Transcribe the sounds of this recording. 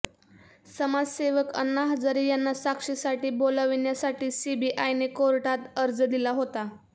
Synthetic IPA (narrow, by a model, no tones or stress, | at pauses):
səmad͡zseʋəkə̰nːaɦəd͡zaɾijanːasakʂisaʈiːbolaʋiɳjasaʈiːsibiːʔajnekoɾʈat̪əɾd͡zəd̪ilaɦot̪a